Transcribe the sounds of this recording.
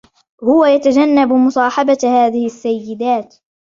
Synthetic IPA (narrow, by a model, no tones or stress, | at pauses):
hʊwajat̪ad͡ʒanːabmʊsˤɑːħɑbahaːðɪhɪʔsːajːɪd̪aːt̪